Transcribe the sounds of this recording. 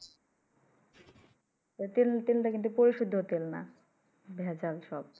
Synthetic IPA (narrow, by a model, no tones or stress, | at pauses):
ot̪ilt̪inʈakint̪̬upoɾiʃud̪ʱːot̪elna̰ | bʱeat͡ɕalʃɔb̚